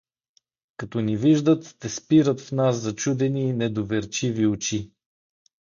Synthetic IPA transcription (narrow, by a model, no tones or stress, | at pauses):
kɐt̪ɔniviʒd̪ət̪ːɛspiɾət̪fnas̬ːɐt͡ʃud̪ɛniːnɛd̪ovɛɾt͡ʃiviot͡ʃi